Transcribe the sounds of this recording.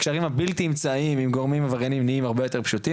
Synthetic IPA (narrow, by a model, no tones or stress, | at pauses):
kʃaʁimhabilt̪imt͡saimimɡoʁmimavaʁenimniimaʁbejo̞t̪e̞ʁpʃuti